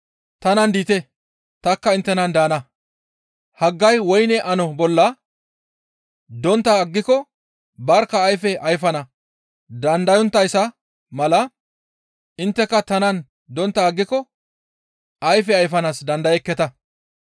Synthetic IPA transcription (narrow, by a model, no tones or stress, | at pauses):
t̪ɐnɐnd̪iːt̪ɛ | t̪ɐkːɐɪnt̪ːɛnɐnd̪aːnɐ | hɐɡːɐjwɔjnɛʔɐnɔbɔlːɐ | d̪ɔnt̪ːɐːɡːɪkɔ | bɐɾkːɐːjfɛʔɐjfɐnɐ | d̪ɐnd̪ɐjɔnt̪ːɐjsɐ | mɐlɐ | ʔɪnt̪ːɛkːɐt̪ɐnɐn | d̪ɔnt̪ːɐːɡːɪkɔ | ʔɐjfɛɐjfɐnasd̪ɐnd̪ɐjɛkːɛt̪ɐ